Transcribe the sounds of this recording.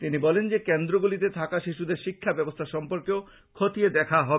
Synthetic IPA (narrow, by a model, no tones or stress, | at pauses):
t̪inibɔlend͡ʑekend̪ɾoɡulit̪et̪ʰakaʃiʃud̪eɾʃikʰːabɛbost̪ʰaʃɔmpoɾkeo | kʰot̪ied̪ɛkʰaɦɔb